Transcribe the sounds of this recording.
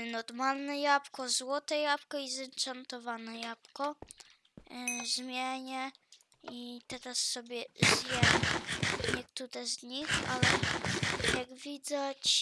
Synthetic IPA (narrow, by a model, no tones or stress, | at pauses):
nɔɾmalnɛjapkɔzwɔt̪ɛjapkɔizɛnt͡ʂant̪ɔvanɛjapkɔ | ʒmʲjɛɲɛ | it̪ɛɾasːɔbʲjɛʒjɛmɛɲɛk̚t̪uɾɛzɲixa̰lɛ | jaɡvʲid̪at͡ɕ